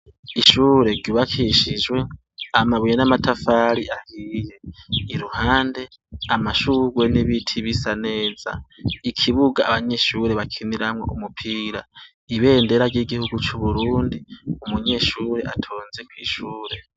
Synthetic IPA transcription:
iʃuːɾe̞ɡɟuβakʰiʃid͡ʒwe̞ | amaβujenamatʰafaɾiʔahiːje̞iɾuhaːnde̞ | amaʃuɾwe̞niβitʰiβisane̞ːz̥a̰ikʰiβuɡaːβaɲe̞ʃuɾe̞βakʰiniɾamŋo̞̰ʔumupʰiːɾa | iβe̞ːnde̞ɾaɾɟiɡihuɡut͡ʃuβuɾuːndiumuɲe̞ʃuːɾe̞ʔatʰo̞ːnze̞kwḭːʃuːɾe̞

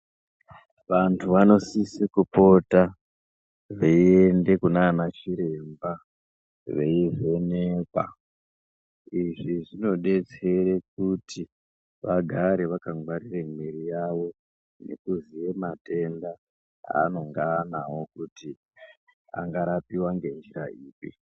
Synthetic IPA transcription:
ʋantʰuʋano̞sisikupo̞ta | ʋeiende̞kunaːnat͡ʃiɾe̞mba | ʋe̞iʐe̞neːkwa̰ | iʐiʐino̞ɗe̞t͡se̞ɾek̚utʰi | ʋaɡʱaɾeʋakaŋɡwaɾiremiɾijaʋo̞ | ne̞̰kuzije̞mate̞nda | a̰ːno̞ŋɡanawo̞kuti | a̰ŋɡaɾapiwaŋɡe̞nd͡ʒira̰iːpi

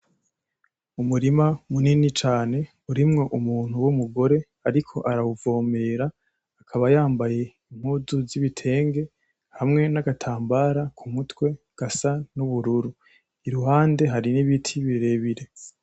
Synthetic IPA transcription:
umuɾimamuninit͡ʃaːne̞ | uɾimŋo̞ʔumuːn̥huwumuɡo̞ɾe̞ | aɾikʰo̞̰ʔaɾauvo̞ːme̞ːɾaː | kʰaβajaːmbaje̞ | im̥huduziβitʰe̞ːŋɡe̞ | hamŋe̞naɡatʰaːmbaɾakʰumutwe̞ | ɡ̥asanuβuɾuɾu | iɾuɦaːnde̞ɦaɾiniβitʰiβiɾe̞βiɾe̞

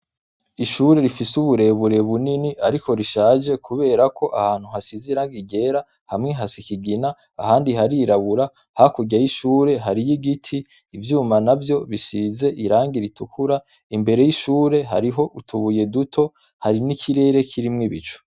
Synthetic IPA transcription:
iʃuːɾe̞ɾifisuβuɾe̞βuɾe̞βuniniaɾiko̞ɾiʃaːʒe̞kuβe̞ːɾakʰo̞ʔahaːn̥huɦasiziɾaːŋɡiɟe̞ːɾa | hamŋeɦasikiɡina̰ː | haːndiɦaɾiɾaβuɾa | hakuɟajiʃuːɾe̞ɦaɾijiɡitʰiː | vjuːmanavjo̞βiʃize̞ʔiɾaːŋɡiɾitukuɾa | imbe̞ɾe̞jiʃuːɾe̞ɦa̰ɾiɦo̞ʔutʰuβuje̞dutʰo̞ | haɾinikʰiɾe̞ːɾe̞kʰiɾimŋiβit͡ʃo̥

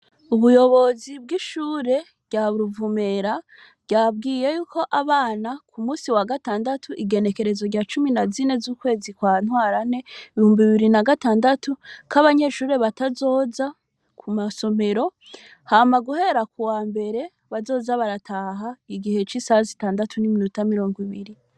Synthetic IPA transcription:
uβujo̞βo̞zibɡiʃuːɾe̞ | bɟaβuɾuvume̞ɾa | bɟab̚ɡiːje̞juːko̞ʔaβaːnakʰumuːsiwaɡataːndatʰuʔiɡe̞ne̞ke̞ɾe̞zo̞ɟaːt͡ʃuminazine̞zuːkwe̞ːzikwaːn̥hwaːɾane̞iβihuːmbiiβiɾinaɡataːndatukʰaβaɲe̞ʃuːɾe̞βatazo̞ːza | kʰumaso̞me̞ɾo̞ | hamaɡuhe̞ɾakuwaːmbe̞ɾe̞ | βazo̞ːzaβaɾatʰaɦaiɡihe̞t͡ʃisazitaːndatʰuniminutamiɾo̞ːŋɡwiβiɾi

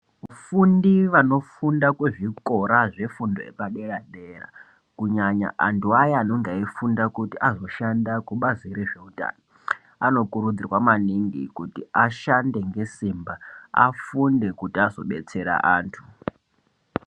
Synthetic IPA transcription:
ufundiʋano̞fundakweʐiko̞ɾaʐe̞fundoepaɗe̞raɗera̰ | kuɲaɲa̰ʔantʰuajaano̞ŋɡaifundakutiʔazo̞ʃandakuɓaziɾeʐe̞uta̰ːno | ano̞kuɾud͡zirwamaniŋɡḭkutiaʃande̞ŋɡe̞simbaa̰funde̞kutiazo̞̰ɓe̞t͡se̞ɾa̰ʔaːntʰu

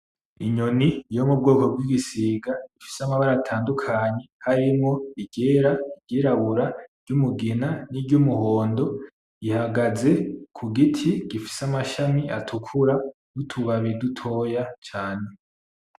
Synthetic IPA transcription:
iɲonijo̞mub̚ɡoːko̞b̚ɡiɡisiːɡaifi̥samaβaɾaːtʰaːndukʰaɲe̞haɾimŋo̞iɡɟeːɾaiɟeːɾaβuɾaɾ̥ɟumuɡinaniɟumuho̞ːndo̞ | ihaɡaze̞kʰuɡitʰiɡ̥ifi̥samaʃamia̰tʰukʰuɾa | ɡutʰuβaβidutʰo̞jat͡ʃaːne̞

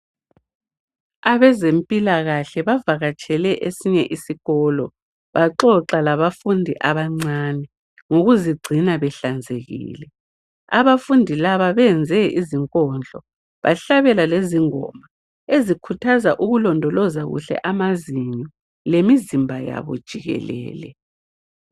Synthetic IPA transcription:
aβɛzempʼilaɣaɬɛβavaɣat͡ʃʼɛlɛʔesiɲɛʔisiɣɔlɔ | βaǃɔǁalaβafundʱiʔaβaŋ͡ǀanɛ | ŋoɣuziɡ͡ǀʱinaβɛɬand͡zʱeɣḭːlɛ | aβafundʱilaβaβɛnd͡zʱɛiziŋkʼɔnd͡ɮʱɔ | βa̰ɬaβɛlaleziŋɔ̰ma | ezikʰutʰazaʔuɣulɔndʱɔlɔzaɣṵɬɛ̰ʔamaziɲɔ | lemizimbʱaja̰βɔ̰d̥ʒ̥ʱiɣɛ̰lɛ̰ːlɛ̰

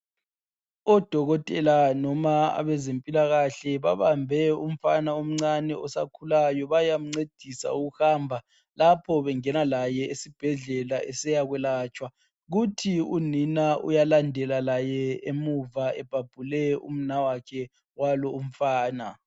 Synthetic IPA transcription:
ɔd̥ʱɔɣɔtʼɛlanɔmaa̰βɛzempʼilaɣaɬɛβaβambʱɛum̩fanaum̩ŋ͡ǀanɛɔsa̰kʰulajɔβajam̩ŋ͡ǀed̥ʱisa̰uɣuhambʱa | lapʰɔβɛŋɛnalajɛesib̥ʱɛɮɛlaʔɛsɛjaɣwɛlaːt͡ʃʼwa | ɣutʰiuninaʔṵjalandʱɛlalajɛemuvaɛb̥ʱab̥ʱulɛṵm̩nawakʰɛ | walɔum̩faːna

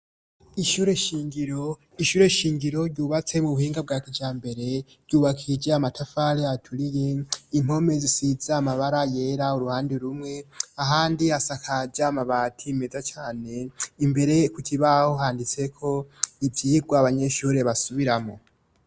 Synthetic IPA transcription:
iʃuːɾe̞ʃiːŋɡiɾo̞ | iʃuːɾe̞ʃiːŋɡiɾo̞ɾɟuːβat͡se̞muβuhiːŋɡab̚ɡaːkid͡ʒaːmbe̞ɾe̞ɾɟuːβakʰid͡ʒeamatʰafaɾiatʰuɾije̞imho̞me̞zisizaːmaβaɾaje̞ɾauɾuhaːndiɾumŋe̞aɦaːndiasakʰad͡ʒamaβaːtʰime̞zat͡ʃaːne̞imbe̞ɾe̞kucʰiβahoɦaːndit͡se̞kʰo̞ivjiiɡwaβaɲe̞ʃuːɾe̞βasuβiɾamo̞̰

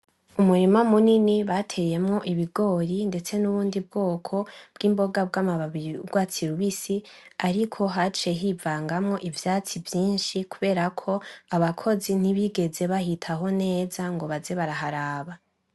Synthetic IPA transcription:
umuɾimamuniniβatʰe̞je̞mŋo̞ʔiβiɡo̞ːɾinde̞t͡se̞nuβuːndib̚ɡo̞ːkʰo̞b̥ɡiːmbo̞ɡab̚ɡaːmaaβiiuɡwaːt͡siɾuβisiaɾikʰo̞ɦat͡ʃe̞ɦivaːŋɡamŋo̞ʔivjaːt͡sivjiːnʃikuβe̞ːɾakʰo̞aβakʰo̞zin̥iβiɡe̞ze̞βahitʰaɦo̞ne̞ːzaŋɡo̞βaze̞βaɾaɦaɾaːβa

